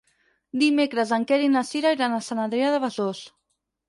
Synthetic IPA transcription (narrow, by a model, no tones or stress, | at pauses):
d̪imekɾəzaŋkɛɾinasiɾaiɾanasanand̪ɾeaðəβazos